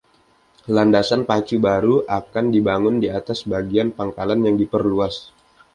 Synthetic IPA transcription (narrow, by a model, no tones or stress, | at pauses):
landasanpat͡ʃubaɾuʔakandibaŋʊndiat̪asbaɡianpaŋkalanjaŋdipərluas